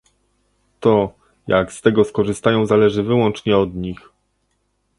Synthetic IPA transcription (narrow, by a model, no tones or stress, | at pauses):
t̪ɔ | jaɡst̪ɛɡɔskɔʐɘst̪ajɔ̃w̃zalɛʐɘvɘwɔnt͡ʂɲɛɔd̪ɲix